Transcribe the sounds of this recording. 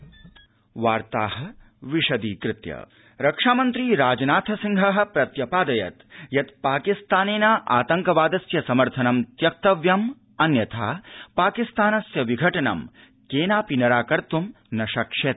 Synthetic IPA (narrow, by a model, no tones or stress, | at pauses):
ʋaːɾt̪aːhɐ̆ | ʋiʃɐd̪iːkɾɪt̪jɐ̰ | ɾɐkʂaːmɐnt̪ɾiːɾaːd͡ʒɐnaːt̪ʰɐsiŋɡʱɐɦɐ̆pɾɐt̪jɐpaːd̪ɐjɐ̰t̪jɐt̪paːkist̪aːneːnaːʔaːt̪ɐŋkɐʋaːd̪ɐsjɐsɐmɐɾt̪ʰɐnɐmt̪jɐk̚t̪ɐʋjɐm | ɐnjɐt̪ʰaːpaːkist̪aːnɐsjɐʋiɡʱɐʈɐnɐ̰m | keːnaːpinɐɾaːkɐɾt̪um | nɐʃɐkʂet̪̚